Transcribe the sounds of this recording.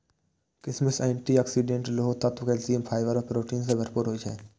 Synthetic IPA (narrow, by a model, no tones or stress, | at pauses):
kɾɪsməsɛːɳʈiːaːksiɖẽːɳʈloːt̪ət̪ʋəkelsiːəmpʰaːɪʋəɾɔpɾoːʈiːnsebəɾpuːɾɦoːid͡ʒɛ̰ː